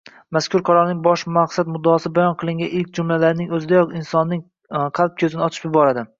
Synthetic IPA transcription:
maskʰʲʊɾqʰɒɾɒɾnɪŋbɒʃmaqsad̪mʊd̪ːɒːsɪbajɒnqʰɨlˠɪŋɡʲaʔɪlkʲd͡ʒʊmlalaɾɪnɪŋɵzɪd̪ajɒqɪnsɒnːɪŋ | qʰɑlˠp̚kʲʰɵzɪnɪɒt̪ʰɪ̥pjɪbɒɾad̪ɪ

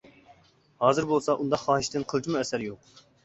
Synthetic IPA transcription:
hɑːzɨɾbolˠsɑʔund̪ɑχɑːɦɪʃt̪ɨnqʰəlˠɨt͡ʃʰimuɛsæɾjoq

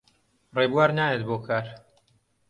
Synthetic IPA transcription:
rebuwaːɾnaːjet̪boːkʰaːɾ

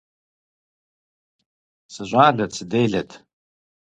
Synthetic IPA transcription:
sɨʒʷʼaːɮat͡sʰdejɮatʰʼ

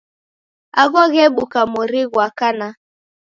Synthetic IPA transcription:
aɣɔɣeɓukamoɾiɣwakana

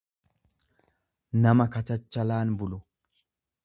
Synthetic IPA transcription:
nɐmɐkɐt͡ʃɐt͡ʃːɐlaːnbʊlʊ

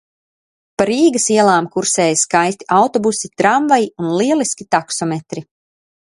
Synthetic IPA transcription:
paɾiːɡəsiɛlˠaːmkuɾsɛːjskajst̪i̥ʔawt̪ɔbusit̪ɾaɱvajiunlˠiɛlˠiskʲit̪aksɔmɛt̪ɾi

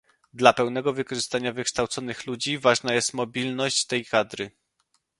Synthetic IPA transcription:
d̪lapɛwnɛɡɔvɘkɔʐɘst̪aɲavɘkʂt̪awt̪sɔnɘxlud͡ʑivaʐnajɛst̪mɔbʲilnɔɕt͡ɕt̪ɛjkad̪ɾɘ

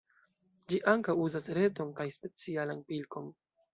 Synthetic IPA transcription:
d͡ʒiʔaŋkawuzasɾe̞to̞nkajspe̞t͡sialanpilko̞n

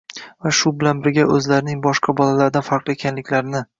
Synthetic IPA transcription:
vaʃʊbɪlanbɪɾɡʲaʔɵzlaɾɪnɪŋbɒʃqʰɑbɒlalaɾɪd̪anfaɾqlˠekʲʰanlɪkʲlaɾɪnɪ

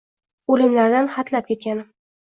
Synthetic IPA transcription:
olɪmlaɾd̪anχat̪lap̚kʲe̞t̪̚kʲanɪm

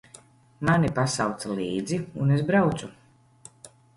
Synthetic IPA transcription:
manipasawt̪saliːd̪ziunezbɾawt̪su

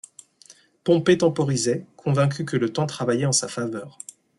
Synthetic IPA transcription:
pɔ̃pet̪ɑ̃pɔʁizɛkʰɔ̃vɛ̃k̬ʲʰykələt̪ɑ̃t̪χavajɛɑ̃safavœːʁ

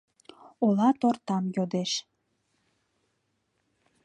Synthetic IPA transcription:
olɑt̪ort̪ɑmjod̪eʃ

